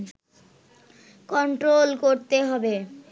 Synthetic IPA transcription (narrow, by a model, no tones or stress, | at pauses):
kɔɳʈɾolkoɾt̪eɦɔbe